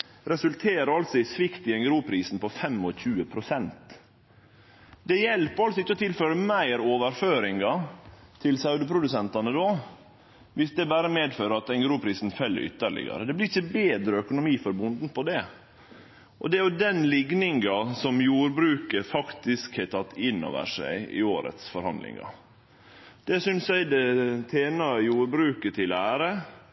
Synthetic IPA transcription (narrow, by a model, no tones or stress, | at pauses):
ɾɛsʉlt̪ʰeːɾəɑlsɔɪsʋɪkt̪ɪɛŋɡɾuːpʰɾiːsn̩pɔfɛmːɔçʉːəpʰɾʊsɛnt̪ | d̪ɛjɛlpəɾɑlsɔɪçːəɔt̪ʰɪlføːɾəmæɪɾoːʋəɾføːɾɪŋɡɑt̪ʰɪlsɑʉd̪əpʰɾʊd̪ʉsɛnt̪ɑnəd̪oː | ʋɪsd̪ɛbæːɾəmeːd̪føːɾəɑt̪ɛŋɡɾuːpʰɾiːsnfɛlːə̰ʏ̰t̪ːəɭɪ̰ɡɑ̰ɾəd̪ɛblɪɾɪçːəbeːd̪ɾəœkʊnʊmiːfɔɾbʊnd̪n̩pʰɔd̪ɛ | ʔɔ̰d̪ɛɾjʊd̪ɛnlɪɡnɪŋɡɑsɔmjuːɾbɾʉːkəfɑkt̪ɪskhæɪt̪ʰɑt̪ːɪnːɔ̰ʋə̰ʂæ̰ɪɪ̰oːɾə̰t̪sfɔɾhɑ̰nd̪lɪ̰ŋɑ̰ | d̪̥ɛsʏnsæɪd̪ɛt̪ʰeːnɑjuːɾbɾʉːkət̪ʰɪlæːɾə